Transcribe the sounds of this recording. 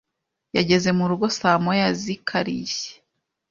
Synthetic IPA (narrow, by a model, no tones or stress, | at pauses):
jaɟe̞ze̞muɾuɡo̞saːmojazikʰaɾḭje̥